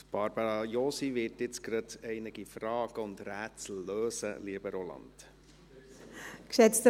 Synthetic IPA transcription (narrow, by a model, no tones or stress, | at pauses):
b̥ɑɾb̥əɾɑjoːsivɪtɪt͡skɾɑdɛɪnəɡ̥ifrɑːɡ̥əʊnd̪ɾæːt͡sl̩ːøːsə̰liəb̥əɾolɑ̰nd̥ | kʃɛt͡st̪